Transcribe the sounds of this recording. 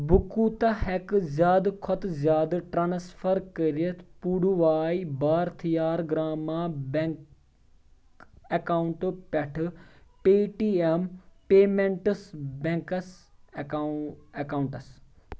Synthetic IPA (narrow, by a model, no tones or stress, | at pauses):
bukuːt̪ahɛkzjaːd̪kʰɔt̪zjaːd̪ʈɾaːnsfʰɐɾkəɾiɐt̪ʰpuːɽuʋaːibaːɾt̪ʰijaːɾɡɾaːmaːbe | ɐkaːuɳʈpɐʈʰpeːʈiːempeːmẽɳʈəsbẽŋkɐs | ɐkaːuɳʈɐs